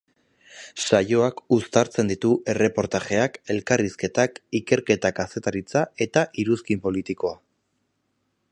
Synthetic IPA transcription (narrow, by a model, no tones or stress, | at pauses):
ʃajo̞akust̪aɾt͡se̞nd̪it̪uʔe̞re̞po̞ɾt̪aʝe̞ake̞lkariske̞t̪akike̞ɾke̞t̪akase̞t̪aɾit͡sae̞t̪aʔiɾuskimpo̞lit̪iko̞a